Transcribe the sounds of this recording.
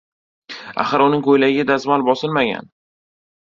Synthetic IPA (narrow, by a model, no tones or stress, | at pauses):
a̰χɨɾʊnɪŋkʰojlaɡʲɪɡʲad̪azmalbɒsɪlmaɡʲa̰n